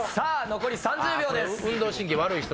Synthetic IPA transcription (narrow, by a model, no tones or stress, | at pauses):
saːno̞ko̞ɾʲisãɲd͡ʑɨːbʲo̞ːd̪esɯ̟̃nd̪o̞ːɕĩŋkʲiβaɾɯ̟içit̪